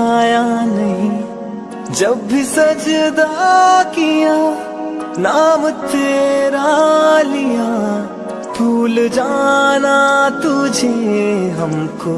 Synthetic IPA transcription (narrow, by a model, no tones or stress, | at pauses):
janɐɦĩ | d͡ʒɐbːisɐd͡ʒd̪akija | naːmt̪eːɾalija | t̪ʰuːld͡ʒanat̪ʊd͡ʒʱeɦɐmko